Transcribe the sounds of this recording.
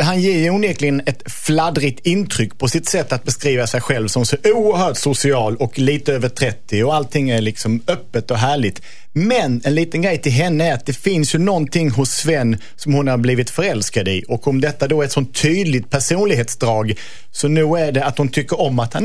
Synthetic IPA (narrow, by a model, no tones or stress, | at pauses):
ɦanjeːjʊnjɛɾklɪɡənɛt̪ | flad̪ɾɪt̪ɪnt̪ʰɾʏkːpʰɔsɪt̪sɛt̪ːat̪̚bɛskɾiːvasɛjɧɛlvsɔmsɔuːəɾhœːʈsʊsɪɑːlɔkliːt̪əøːvəʈʰɾɛt̪ːɪɔalt̪ʰːɪŋːæɾlɪksɔmœpːət̪ɔɦæːɭɪt̪ | mɛnɛnliːt̪ənɡɾɛjt̪ʰɪlɦɛnːəæɾat̪̚d̪ɛfɪnsjɵnɔnt̪ʰɪŋːɦʊsvɛnː | sɔmhʊnhaɾbliːvɪt̪fœɾɛlskad̪ɪʔɔkɔmd̪ɛt̪ːad̪ɔæɾɛt̪sɔnt̪ʰːyːd̪lɪt̪̚pʰæʂuːnlɪɡɦeːt̪sd̪ɾɑːɡ | sɔnʉ̟ːæɖɛat̪hʊnt̪ʰʏkːəɾɔmːat̪han